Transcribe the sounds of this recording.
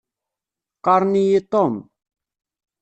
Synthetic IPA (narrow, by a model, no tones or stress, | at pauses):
kaɾnijet̪om